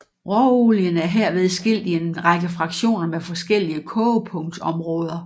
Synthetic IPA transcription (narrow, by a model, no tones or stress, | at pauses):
ʁɒuljənæɐɦeɐ̰ʋe̝ð̞ˠsɡ̥e̝l̰d̥ie̝nʁɑ̈ɡ̥əfʁɑ̈ɡ̥ɕo̝̰ːnɐmefɒ̽sɡ̥el̰iəkʰɔpʰɔ̽ŋd̥ɒ̽mʁɔ̽ːð̞ˠɐ